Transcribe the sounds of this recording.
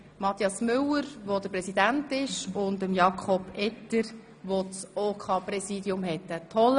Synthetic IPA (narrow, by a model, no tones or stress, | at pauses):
mɑt̪jɑsmʏləɾʋod̥̪əɾprɛsid̪æntɪʃʊndəmjɑkʰχɔbɛt̪əɾ | ʋot͡soːkʰɑːpɾɛsiːdiʊmɦɛt̪ətʰɔl